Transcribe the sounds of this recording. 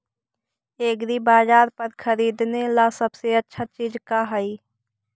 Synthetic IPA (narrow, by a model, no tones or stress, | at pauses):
eːɡɾibaːzaːɾpəɾkʰəɾiːd̪nelasəbseətːʃʰat͡ʃiːd͡ʒkaɦəi